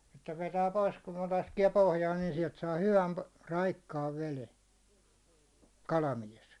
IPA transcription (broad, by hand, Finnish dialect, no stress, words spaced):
etːæ ʋetæː pois kun ne lɑskie pohjɑːn niːn siɛlt sɑː hyʋæn rɑikːɑːʋ ʋele kɑlɑmies